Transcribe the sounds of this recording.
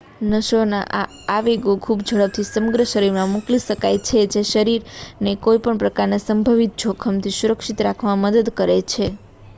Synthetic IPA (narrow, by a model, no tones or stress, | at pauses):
nəʃona̰ʔa | aʋeɡokʰubd͡ʒʱəɭəb̚t̪ʰisəməɡɾəʃəɾiɾmãmukliʃəkajt͡ʃʰed͡ʒeʃəɾiɾnekoipəɳpɾəkaɾnesəmbʱəʋit̪̚t͡ʃʰokʰəmt̪ʰisuɾəkʃit̪ɾakʰʋãməd̪əd̪kəɾet͡ʃʰe